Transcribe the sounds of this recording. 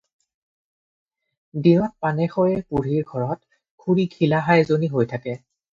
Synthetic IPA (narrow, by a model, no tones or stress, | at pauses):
dinɔt̚panɛxɔjɛpuɹiɹɡʱɔɹɔt | kʰuɹikʰilaɦajzoniɦojtʰakɛ